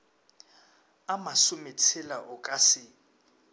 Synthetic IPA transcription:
amasʊmɪt͡sʰɪlaʔʊkʼasɪ

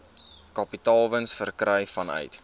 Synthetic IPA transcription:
kɐpitɑːlˠvənsfərkɾɛjfɐnœ̰ɥt

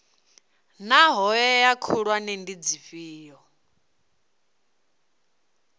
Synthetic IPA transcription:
naɦɔjɛjakʰuɺwanɛndid͡zifiːjɔ

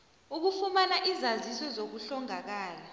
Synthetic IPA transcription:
uk̬ufumanaʔizazisɔzok̬uɬɔŋak̬aːla

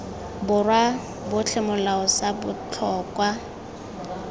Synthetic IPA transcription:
bʊrwa | bʊt͡ɬʰɛmʊlaʊsabʊt͡ɬʰɔːkʼwa

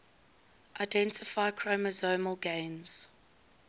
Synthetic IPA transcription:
ʔaɪdɛ̃ntɪfaɪkʰɹoməzoːməlˠɡẽɪ̃nz̥

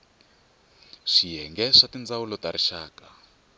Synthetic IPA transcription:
ʂiɦɛŋɡɛʂatind͡zawulɔtaɾiʃaːka

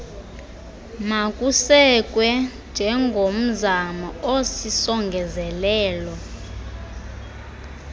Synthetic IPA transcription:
makʼusɛk̬ʼwɛnd͡ʒʱɛŋɡʱom̩zamɔosisɔŋɡʱɛzɛlɛːlɔ

